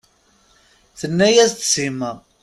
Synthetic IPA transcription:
θənːæjæst̪simæ

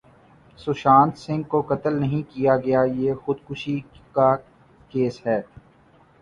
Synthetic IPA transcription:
sʊʃaːnt̪sɪ̃ŋɡ̚kokɐt̪əlnɐɦĩkijaɡɐjajeːxʊd̪kʊʃika | keːsɦɛː

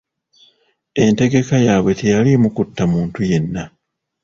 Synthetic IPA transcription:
e̞nte̞ɡe̞kajaːβwe̞te̞jalimukutːamuːntuje̞nːa

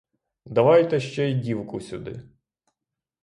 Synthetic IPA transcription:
d̪ɐʋɑjt̪ɛʃt͡ʃɛidʲiwkʊsʲʊd̪ɪ̰

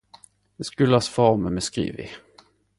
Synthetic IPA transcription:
d̪ɛskɵlːasfɑməmɛskɾḭːvɪ̰

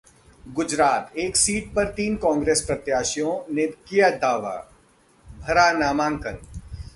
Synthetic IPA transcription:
ɡʊd͡ʒɾaːt̪eːksiːʈ̚pɐɾt̪iːnkɔ̃ːŋɡɾeːspɾɐt̪jaːʃijõnekijad̪aːʋa̰ː | bʱɐɾaːnaːmãːŋkəl

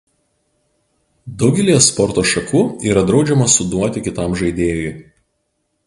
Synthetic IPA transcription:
d̪ɒʊɡʲɛlʲijɛspɔɾt̪oːʃɐkʰuːiːɾɐd̪ɾɒʊd͡ʒʲɛmɐsʊd̪uɔt̪ʲɪkʲɪt̪ɐˑmʒɐɪd̪ʲeːjoj

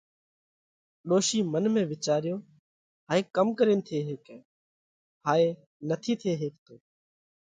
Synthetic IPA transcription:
ɗoːʃiːmənmẽːʋɪt͡ʃaːɾɪjoː | ɦaːeːkəmkəɾeːnt̪ʰeːɦeːkː | haːeː | nət̪ʰiːt̪ʰeːɦeːkt̪oː

